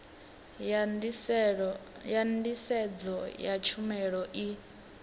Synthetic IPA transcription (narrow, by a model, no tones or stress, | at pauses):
jandisɛd͡zɔjat͡ʃʰumɛɺɔʔi